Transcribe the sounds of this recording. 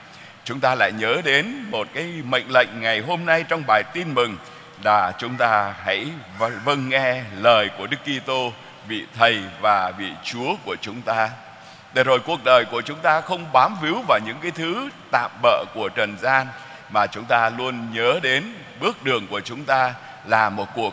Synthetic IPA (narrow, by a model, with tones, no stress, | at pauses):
t͡ɕʊ˨˦ŋ͡mt̪aː˧la̰ː˧˨jɲəː˨˦ɗe˨˦nmo˨˩t̚kaː˨˦jmə̰˧˨jŋ̟lə̰˧˨jŋ̟ŋa˨˩jɦo˧mna˧jt͡ɕɔ˧wŋ͡mɓaː˨˩jt̪i˧nmɨ˨˩ŋ | laː˨˩t͡ɕʊ˨˦ŋ͡mt̪aː˧ha̰˧˥jvvə˧nŋɛ˧ləː˨˩jku˧˩əɗɨ˦˥kːi˧t̪o˧ | vḭ˧˨t̪ʰə˨˩jvaː˨˩vḭ˧˨t͡ɕu˨˦əku˧˩ət͡ɕʊ˨˦ŋ͡mt̪aː˧ | t̪e˧˩˦zo˨˩jku˨˩ək̚ɗəː˨˩jku˧˩ət͡ɕʊ˨˦ŋ͡mt̪aː˧xə˧wŋ͡mɓaː˨˦mfi˨˦wvaː˨˩wɲɨ̰˧˥ŋkaː˨˦jt̪ʰɨ˨˦t̪a̰ː˧˨mɓə̰ː˧˨ku˧˩ət͡ɕə˨˩nzaː˧n | maː˨˩t͡ɕʊ˨˦ŋ͡mt̪aː˧lu˧ənɲəː˨˦ɗe˨˦n | ɓɨ˦˥ək̚ɗɨ˨˩əŋku˧˩ət͡ɕʊ˨˦ŋ͡mt̪aː˧ | laː˨˩mo˨˩t̚ku˨˩ək̚